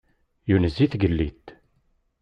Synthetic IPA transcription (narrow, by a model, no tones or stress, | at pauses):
junəzːiθɡəlːit̪